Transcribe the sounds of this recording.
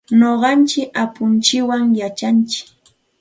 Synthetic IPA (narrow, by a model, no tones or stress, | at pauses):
noɢɑnt͡ʃɪkapʊnt͡ʃɪwaŋjat͡ʃant͡ʃɪ̥k